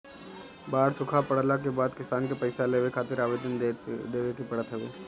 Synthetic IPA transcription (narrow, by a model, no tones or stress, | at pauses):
baːɾsʊkʰapɐɽlak̬ebaːd̪kɪsaːnkepɐɪsaleːʋekʰaːt̪ɪɾaːʋeːd̪ənd̪eːʋekipɐɽət̪ɦɛʋeː